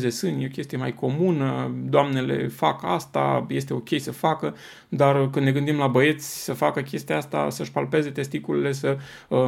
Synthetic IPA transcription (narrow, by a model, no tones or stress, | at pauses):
ze̞sɨnjeokʲe̞st̪ijemajko̞munəd̪oamne̞le̞̰fakast̪a̰je̞st̪e̞o̞kʲe̞jsəfakə | d̪arkɨnne̞ɡɨnd̪imlabəe̞t̪sʲsəfakəkʲe̞st̪iaast̪a̰səʃpalpe̞ze̞t̪e̞st̪ikulile̞sə